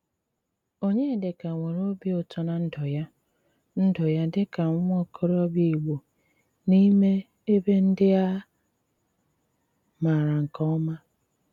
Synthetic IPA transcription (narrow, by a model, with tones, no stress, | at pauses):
o˦ɲe˦˨dɪ˨ka˨ŋʷe˨ɾo˦bi˦o˨tɔ˨na˨n̩˦dɔ˨ja˦ | n̩˦dɔ˨ja˦dɪ˦ka˨ŋŋ˦ɔ˦kʰɔ˦ɾɔ˦bji˦i˨ɡ͡bo˨ | ni˦me˦ | e˦be˦n̩˦dɪ˦a˦ | ma˨ɾa˨ŋ̩˨kɔ˦ɔ˦ma˦